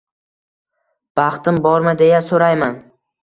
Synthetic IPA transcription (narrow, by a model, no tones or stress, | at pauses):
b̥ɑχt̪ɪmbɒɾmad̪e̞jasoɾajman